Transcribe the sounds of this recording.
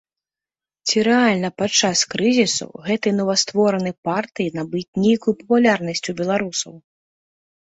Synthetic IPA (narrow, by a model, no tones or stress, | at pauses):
t͡sʲiɾɛalʲnɐpat͡ʂːaskɾɨzʲisṵɣɛt̪ɨjnɔvɐst̪vɔɾɐnɨpart̪ɨjinabɨt͡sʲnʲejkujupɐpulʲarnɐsʲt͡sʲubʲɛlˠaɾusɐw